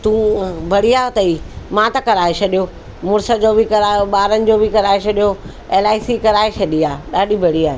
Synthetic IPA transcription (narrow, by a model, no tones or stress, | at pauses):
t̪ũːbʱɐɽijaːɦot̪ɐimãːt̪ɐkɐɾaːet͡ɕʰɐɗijo | mʊɾsəd͡ʑoːbʱɪkɐɾaːoɓaːɾənɪ̆d͡ʑoːbʱɪkɐɾaːet͡ɕʰɐɗijo | eːlaːɪsikɐɾaːet͡ɕʰɐɗiaːɗaːɗʱibʱɐɽiaːɦe